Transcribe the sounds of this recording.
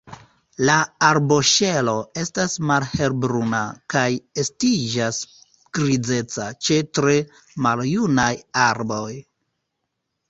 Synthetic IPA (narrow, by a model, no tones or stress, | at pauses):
laaɾbo̞ʃe̞lo̞e̞stasmalhe̞ɾbɾunakaje̞stid͡ʒas | ɡ̥ɾid͡ze̞t͡sat͡ʃe̞tɾe̞ | maljunajaɾbo̞j